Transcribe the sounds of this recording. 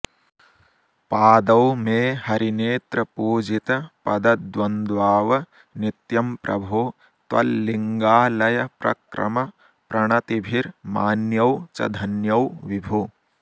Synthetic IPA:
paːd̪ɐwmeːhɐɾineːt̪ɾɐpuːd͡ʒit̪ɐpɐd̪ɐd̪d̪ʋɐnd̪ʋaːʋɐ | nit̪jɐmpɾʔɐ̰bʱuː | t̪ʋɐ̰lːiŋɡaːlɐjɐpɾɐ̰kɾɐ̰mɐ | pɾɐɳɐt̪ibʱiɾmaːnjɐwt͡ʃɐ̰d̪ʱɐnjɐwʋibʱu

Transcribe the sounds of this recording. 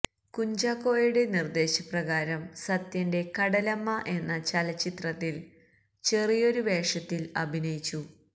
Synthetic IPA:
kuɲd͡ʑaːkːo̞ːjuɽe̞nird̪e̞ːɕɐprɐɣaːɾɐmsɐt̪jɐnde̞kɐɽɐlɐmːɐʔe̞nːɐt͡ɕɐlɐt͡ɕːit̪rɐt̪ːil | t͡ɕe̞rijo̞ɾuʋe̞ːʂɐt̪ːilɐbʱinɐjit͡ɕːu

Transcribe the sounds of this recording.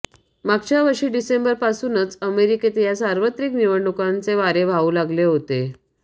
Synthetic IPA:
maɡ̚t͡ɕjaʋəʂiːɖisembəɾpasuːnət͡səmeɾiket̪jasaɾʋət̪ɾikniʋəɳɖukant͡seʋaɾeʋʱauːlaɡleɦot̪e

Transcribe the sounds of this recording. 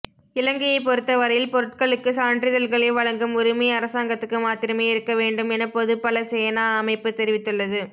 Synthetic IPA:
ɪlɐŋɡɐjɐɪpːɔɾɯt̪ːɐʋɐɾɐjɪlpɔɾɯʈ̚kɐɭɯkːɯsaːɳɖɾɪðɐlɣɐɭɐɪʋɐɻɐŋɡɯmɔɾɯmɐjɐːɾɐsaːŋɡɐt̪ːɯkːɯmaːt̪ɪɾɐmeːɪɾɯkːɐʋeːɳɖɯmɛnɐpːoðɯpɐlɐsɛjɐnaːɐmɐɪpːɯt̪ɛɾɪʋɪt̪ːɯɭːɐðɯ

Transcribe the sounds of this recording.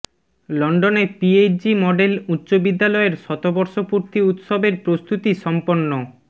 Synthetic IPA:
lɔɳɖonepied͡ʑimɔɖelut̪ːɕobid̪ːalɔeɾʃɔt̪obɔɾʃopuɾt̪iut̪ʃobeɾpɾost̪ut̪iʃɔmponːo

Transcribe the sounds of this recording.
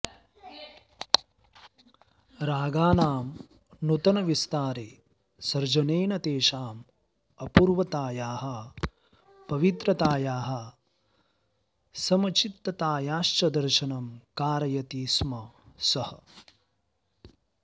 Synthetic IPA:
ɾaːɡaːnaːm | nut̪ɐnɐʋist̪aːɾeː | sɐɾd͡ʒɐneːnɐt̪eːʃaːm | ɐpuːɾʋɐt̪aːjaːɦɐ | pɐʋit̪ɾɐt̪aːjaːɦɐ | sɐmɐt͡ʃit̪ːɐt̪aːjaːʃt͡ʃɐd̪ɐɾʃɐnɐmkaːɾɐjɐt̪iːsmɐsɐhɐ

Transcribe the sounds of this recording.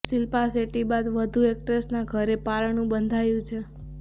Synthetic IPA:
ʃilpaseʈibad̪ʋəd̪ʱuek̚ʈɾesnaɡʱəɾepaɾənũbənd̪ʱajũt͡ʃʰe

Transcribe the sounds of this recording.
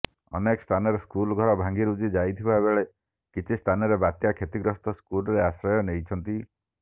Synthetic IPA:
ɔ̰nekɔst̪ʰanɔɾeskulɔɡʱɔɾɔbʱaŋɡiɾud͡ʒid͡ʒajt̪ʰibabeɭe | kit͡ʃʰist̪ʰanɔɾebat̪jakʰet̪iɡɾɔst̪ʰɔskulɔɾeasɾɔjɔnejt͡ʃʰɔnt̪i

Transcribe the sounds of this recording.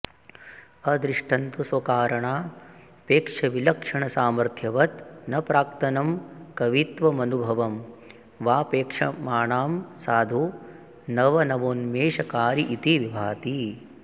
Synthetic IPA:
ɐd̪ɾiʂʈʰɐnt̪usʋɐkaːɾɐɳaː | peːkʂɐʋilɐkʂɐɳɐsaːmɐɾt̪ʰjɐʋɐt̪nɐpɾaːk̚t̪ɐnɐmkɐʋit̪ʋɐmɐnubʱɐʋɐm | ʋaːpeːkʂɐmaːɳaːmsaːd̪ʱu | nɐʋɐnɐʋoːnmeːʃɐkaːɾiʔit̪iʋibʱaːt̪i

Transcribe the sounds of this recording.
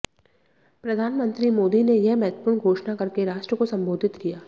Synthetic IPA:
pɾɐd̪ʱaːnmə̃nt̪ɾimoːd̪inejɐɦmɛɦt̪əpuɾnɡʱoːʃnakɐɾkeɾaːʃʈɾəkosɐ̃mboːd̪ʱɪt̪kijaː

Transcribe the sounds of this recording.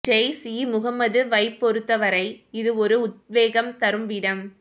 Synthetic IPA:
d͡ʒɐɪsiːmʊɣɐmɐðɯʋɐɪpːɔɾɯt̪ːɐʋɐɾɐɪɪðɯɔɾɯʊt̪̚ʋeːɣɐmt̪ɐɾɯmʋiɽɐm

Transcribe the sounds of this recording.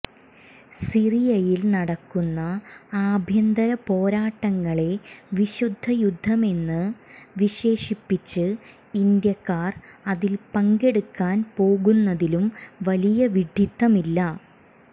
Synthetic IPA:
sirijɐjilnɐɽɐkːunːɐaːbʱjɐnd̪ɐɾɐpo̞ːɾaːʈːɐŋːɐɭe̞ʋiɕud̪ʱːɐjud̪ʱːɐme̞nːɨʋiɕe̞ːɕipːit͡ɕːɨ | ind̪jɐkːaːrɐðilpɐŋɡe̞ɽukːaːnpo̞ːɣunːɐðilumʋɐlijɐʋiɖʱit̪ːɐmilːɐ

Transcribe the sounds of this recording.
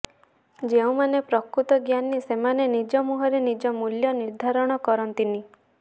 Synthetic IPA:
d͡ʒeũmanepɾɔkɾut̪ɔɡjanisemanenid͡ʒɔmuɦɔɾenid͡ʒɔmuljɔniɾd̪ʱaɾɔɽ̃ɔkɔɾɔnt̪ini

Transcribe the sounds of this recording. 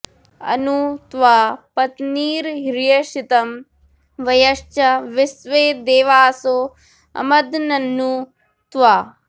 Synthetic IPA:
ɐ̰nut̪ʋaːpɐt̪niːɾɦiɾjɐʃit̪ɐm | ʋɐjɐʂt͡ʃɐʋisʋeːd̪eːʋaːsoː | ɐ̰mɐd̪nɐnːu | t̪ʋaː

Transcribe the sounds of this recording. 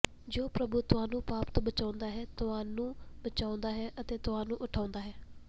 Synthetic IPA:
d͡ʒoːpɾəbuːt̪ʊãːnũːpaːpt̪ːbət͡ʃaːʊ̃nd̪aːɦɛːt̪ʊãːnũːbət͡ʃaːʊ̃nd̪aːɦɛːʔət̪eːt̪ʊɦãːnũːʔʊʈʰaːʊ̃nd̪aːɦɛː

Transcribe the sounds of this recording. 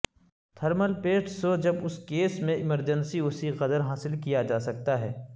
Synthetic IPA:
t̪ʰɐɾməlpeːʈsod͡ʒɐbʊskeːsmẽɪməɾd͡ʒə̃nsiʊsiqɐd̪əɾɦaːsɪlkijad͡ʒaːsɐk̚t̪aɦɛ̰ː

